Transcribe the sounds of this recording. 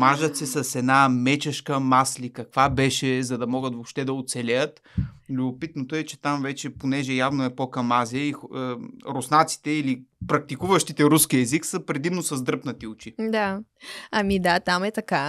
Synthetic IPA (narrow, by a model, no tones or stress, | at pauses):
maʒət̪sɛsɐsɛd̪namɛt͡ʃɛʃkəmaslikɐkvabɛʃɛzɐd̪ɐmɔɡət̪vopʃt̪ɛd̪ɐot̪sɛlʲɛjət̪ | lʲʊbopit̪not̪oɛt͡ʃɛt̪amvɛt͡ʃɛponɛʒɛjavnoɛpɔkɐmaziəiəɾosnat̪si̥t̪ɛilipɾɐk̚t̪ikuvəʃt̪it̪ɛɾuskiɛziksəpɾɛd̪imnosɐzd̪ɾɤpnət̪iʊt͡ʃid̪aɐmid̪at̪amɛt̪ɐka